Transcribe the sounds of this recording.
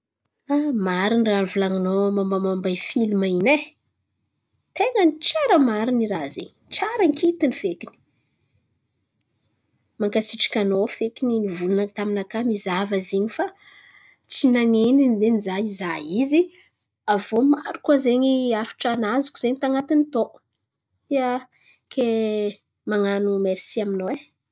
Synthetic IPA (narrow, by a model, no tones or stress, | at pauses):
amaɾinranvulaŋanomambamambajfilimaine | t̪eŋənʈ͡ʂaɾəmaɾiniɾazeɲit͡saɾəŋkʰit̪inifekini̥ | maŋkasiʈ͡ʂḁkʲanofekininivulunat̪aminakamizavəzeɲifa | t͡sinaneninzenizaizaizi | avomaɾukuazeɲiafi̥ʈ͡ʂanazukuz̥eɲit̪aŋat̪init̪o | iə | kʰe | maŋanumeɾisiaminowe